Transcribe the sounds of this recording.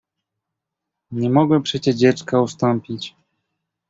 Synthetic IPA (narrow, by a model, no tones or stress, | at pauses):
ɲɛmɔɡwɛpʂɛt͡ɕɛʐd͡ʑɛt͡ʂkaust̪ɔmpʲit͡ɕ